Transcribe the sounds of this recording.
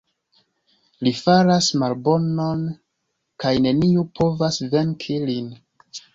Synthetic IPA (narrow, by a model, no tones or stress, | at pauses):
lifaɾasmalbo̞no̞n | kajne̞niupʰo̞vasve̞ŋkʰilin